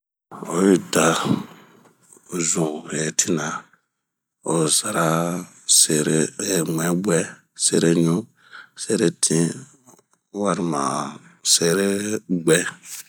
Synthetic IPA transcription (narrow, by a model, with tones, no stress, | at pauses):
o˨˦ji˦da˨ | zũ˨e˨tʰi˦nã˨ | o˨za˨ɾa˦ | se˨ɾe˨mʷ˨ɛ̃˨˦ɡ͡bɛ˦ | se˦˨ɾe˦ɲũ˦ | se˦ɾe˨tʰĩ˦ | wa˦ɾi˨mã̰˨se˨ɾe˦ɡ͡bɛ˦